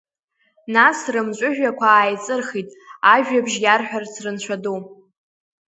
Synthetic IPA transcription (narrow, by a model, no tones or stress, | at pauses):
nasrɨmt͡ʃʷʼʊʒᶣakʷʰaaːjt͡sʼɨrχitʼaʒᶣabʒjarħʷᶣart͡sʰrɨnt͡ʃʷʰado